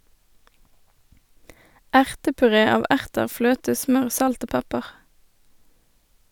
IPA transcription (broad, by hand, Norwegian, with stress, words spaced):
ˈæʁtəpʉˌʁeː ˈɑːʋ ˈʔæʁtəʁ ˈfløːtə ˈsmœʁ ˈsɑlt ˈoː ˈpɛpəʁ